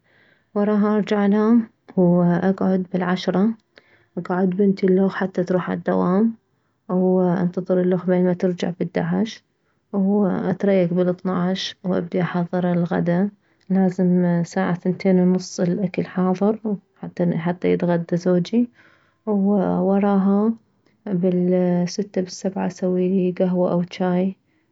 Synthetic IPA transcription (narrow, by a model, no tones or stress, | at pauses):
wɑɾˤɑːɦʔɑɾˤd͡ʒaʕla | wʔaɡʕʊd̪bɪlʕaʃɾˤɑ | ʔaɡʕʊd̪bɪnt̪ɪlːoːxħat̪ːat̪ɾuːħa̰d̪ːawaːm | wʔɪ̰nt̪ɑðˤɨɾɪlːoːxbeːnmat̪ɪɾd͡ʒa̰ʕbɪd̪ːaʕɪʃ | wʔat̪ɾˤɑjːaɡbɪlɨt̪ˤnɑʕʃwʔa̰b̚d̪iʔɑħɑðˤːɨɾˤɪlɣa̰d̪a | laːzɪmsaːʕaθɪnt̪ʰeːnwnʊsˤːɪlʔakalħɑːðˤɨɾħat̪ːaħat̪ːajɪt̪ɣad̪ːazoːd͡ʒi | wwɑɾˤɑːɦa | bɪlsɪt̪ːabɪsːabʕa̰sawːiːliɡaɦwaʔawt͡ʃaːj